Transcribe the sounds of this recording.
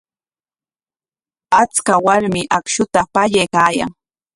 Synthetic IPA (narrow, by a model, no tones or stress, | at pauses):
at͡skawaɾmɪʔakʃʊt̪apaʎajkaːja̰ŋ